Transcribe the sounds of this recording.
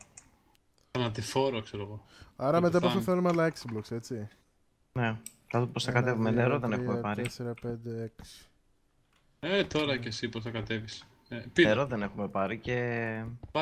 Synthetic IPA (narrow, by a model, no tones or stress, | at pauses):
ɐnɐt̪ifo̞ɾokseɾoɣoɐɾɐme̞t̪ɐposɐθelumeɐlɐeksi̥blokse̞t͡si | ne̞ | ɐt̪post̪ɐkɐt̪e̞vumeneɾoðe̞nexumepɐɾieseɾɐpe̞nd̪e̞eksi̥ | et̪o̞ɾɐce̞siposθɐkɐt̪e̞vis | eieɾoðe̞ne̞xume̞pɐɾice̞